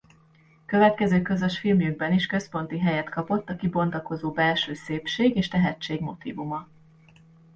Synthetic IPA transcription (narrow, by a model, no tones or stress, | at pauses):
kø̞vɛt̪kɛzøːkøzøʃfilmjyɡ̚bɛniʃkø̞spo̞nt̪iɦɛjɛt̪kɒpo̞t̪ːɒkibo̞nt̪ɒko̞zoːbɛlʃøːseːpʃeːɡeːʃt̪ɛɦɛt͡ʃːeːɡmo̞t̪ḭːvumɒ